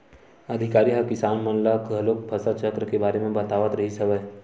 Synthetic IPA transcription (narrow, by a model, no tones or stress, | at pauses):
ɐd̪ʱɪkaːɾiɦɐkɪsaːnmɔ̃ːnlakɐlok̚bʰʱɐsat͡ʃəkɾkebaːɾemẽbɐt̪aːʋət̪ɾɐɦisɐʋəj